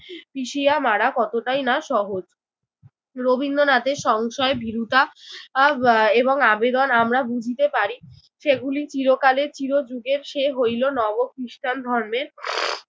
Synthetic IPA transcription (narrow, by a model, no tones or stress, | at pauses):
piʃijamaɽakɔt̪oʈajnaʃɔɦod͡ʑ | ɾobʱind̪onat̪eʃɔŋʃɔebʱiɾut̪a | eboŋabed̪onamɾabud͡ʑʱit̪epaɾi | ʃeɡulit͡ɕiɾokaleɾt͡ɕiɾod͡ʑuɡeɾʃeɦojlonɔbokɾiʃʈand̪ʱɔɾme